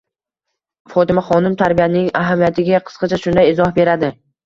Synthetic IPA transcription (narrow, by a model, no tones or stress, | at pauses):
fɒt̪ɪmaχɒnɪmt̪ʰaɾbijanɪŋaɦamijat̪ʰɪɡʲaqʰɨ̥sqɑt͡ʃʰaʃʊnd̪ajɪzɒhbe̞ɾad̪ɪ